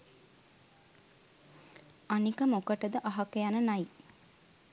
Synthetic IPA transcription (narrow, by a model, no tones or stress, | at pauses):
anikəmokəʈəd̪əʔaɦɐkejanənaji